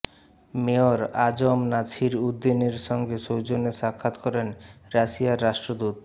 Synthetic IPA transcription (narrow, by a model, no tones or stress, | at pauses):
meoɾad͡ʑomnat͡ɕʰiɾud̪ːineɾʃɔŋɡeʃowd͡ʑoneʃakʰːat̪kɔɾenɾaʃiaɾːaʃʈɾod̪ut̪̚